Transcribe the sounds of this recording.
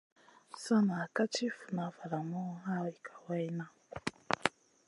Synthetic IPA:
sa˦naː˨ka˦t͡ʃi˦fu˨na˨fa˨ɾa˨mɔ˦ɦa˦i˨kʰḁ˨wa˦i˦na˦

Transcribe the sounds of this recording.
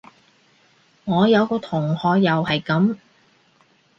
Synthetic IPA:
ŋɔː˨˧jɐ˨˧wkɔː˧t̪ʰʊ˨˩ŋhɔː˨˧k̚jɐ˨whɐ˨jkɐ˨˥m

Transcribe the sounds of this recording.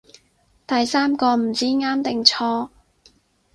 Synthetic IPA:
t̪ɐ˨jsaː˥mkɔː˧m̩˨˩t͡siː˨˥ŋaː˥mt̪ɪ˨ŋt͡ʃʰɔː˧˥

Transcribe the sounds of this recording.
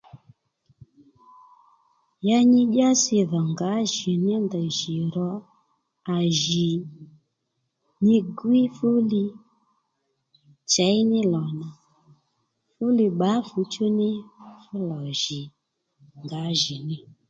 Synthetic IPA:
ja˦ɲi˦ʄa˦si˦˧ðɔ˨ŋɡa˨˦ʒi˨ni˦nda˨ʒi˨ɾɔ˨ | a˨ʒi˨ | ni˦ɡwi˦fu˦li˧ | t͡ʃa˨˦i˦nɪ˦lɔ˨na˨ | fu˦li˧ɓa˨˦fu˨˦t͡ʃu˦nɪ˦fu˦lɔ˨ʒi˨ | ŋɡa˨˦ʒi˨ni˦

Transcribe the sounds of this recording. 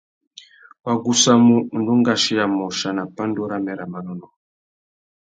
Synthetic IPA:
wa˨ɡu˦sa˦mu˦˨n˨du˦ŋɡa˨ʃi˦ja˨mɔ˨ʃa˨na˨pa˦ndu˦ɾa˦mɛ˨ɾa˨ma˨nɔ˦nɔ˨

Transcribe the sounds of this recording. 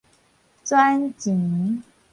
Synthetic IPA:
t͡swa˥˦˥nt͡ɕi˨˩ŋ˦

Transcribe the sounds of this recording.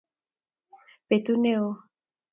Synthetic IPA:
pe˨t̪u˦ne˦o˦

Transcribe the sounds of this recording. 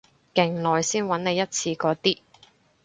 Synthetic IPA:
kɪ˨˩ŋlɔː˨jsiː˥nwɐ˨˥nne˨˧jːɐ˥t̚t͡sʰiː˧kɔː˨˥t̪iː˥

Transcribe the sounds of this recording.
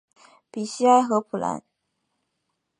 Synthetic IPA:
pi˨˩ɕi˥a˥ɪxɤ˧˥pʰu˨˩la̰˧˥n

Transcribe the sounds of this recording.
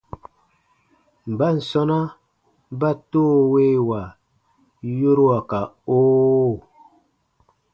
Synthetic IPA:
m̩˨ba˦n̩˨sɔ˦na˦ | ba˦toː˦we˦wa˨ | jo˦ɾwa˨ka˨oː˦˨

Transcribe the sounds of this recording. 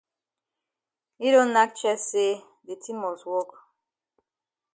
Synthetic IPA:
i˦ɾõ˦na˦k̚t͡ʃɛ˦sse˦ | de˨tʰĩ˦mːɔ˨swɔ˦k

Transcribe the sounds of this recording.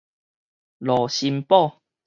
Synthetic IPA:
lɔ˨˩ɕi˧mpɔ˥˨

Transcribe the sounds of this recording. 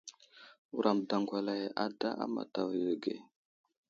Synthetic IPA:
u˨ɾʔa˨mda˨ŋɡʷa˨la˨jʔa˨da˦ʔa̰˦ma̰˨ta˨ve˨ɡe˨

